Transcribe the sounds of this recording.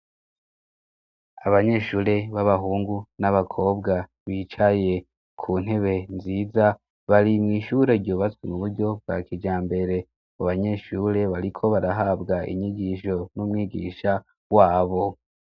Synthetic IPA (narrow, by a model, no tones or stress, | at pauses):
aβaɲe̞ʃuːɾe̞βaβaɦuːŋɡunaβakʰo̞ːbɡa | βiːt͡ʃaje̞ | kʰuːn̥ɦe̞βe̞nziːza | βaɾimŋiːʃuɾe̞iɾɟoːβat͡swemuβuɾɟo̞b̚ɡa̰kid͡ʒaːmbe̞ɾe̞ | βuβaɲe̞ʃuːɾe̞βaɾikʰo̞βaɾaɦaːbɡaʔḭɲiɡiʃo̞numŋiːɡiːʃa | waːβo̞